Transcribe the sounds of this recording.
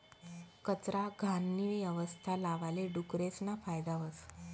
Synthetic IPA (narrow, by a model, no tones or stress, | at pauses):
kət͡sɾaɡʱanːiʋiəʋəst̪ʰalaʋaleɖukɾesnafajd̪aʋəs